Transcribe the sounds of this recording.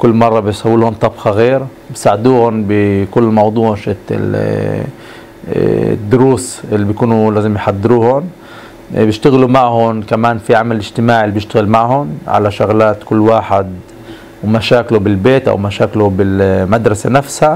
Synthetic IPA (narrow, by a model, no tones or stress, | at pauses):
kʊlːmɑrˤːɑbɪsˤɑwːiːhʊnt̪ˤːɑbxaɣeːɾ | bɪsaːʕd̪uːhʊnbɪkʊlːmɑwd̪ˤuːʕʃɪt̪ɪ̰ | d̪ːʊɾuːsʔɪlːibjkuːnulaːzɪmjħad̪ːɪɾuːhʊn | bjɪʃt̪aɣlumaʕhʊnkamaːnfiʕamalɪd͡ʒt̪ɪmaːʕɪlːibjɪʃt̪aɣɪlmaʕhʊnʕa̰laʃʊɣlaːt̪kʊlːwaːħɪd̪ | wmaʃaːklʊbɪlbeːt̪ʔa̰wmaʃaːklʊbɪlmad̪ɾˤɑsanafsha